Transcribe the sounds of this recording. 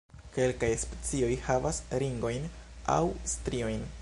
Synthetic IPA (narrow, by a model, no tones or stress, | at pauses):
ke̞lkajspe̥t͡sio̞jhavasɾiŋɡo̞jna̰wstɾio̞jn